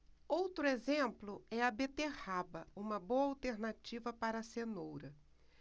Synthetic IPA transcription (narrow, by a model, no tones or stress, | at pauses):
owt̪ɾʊezẽplʊɛɐbet̪ehabɐũmɐbowɐawt̪eɾnat͡ʃivɐpaɾɐsenowɾɐ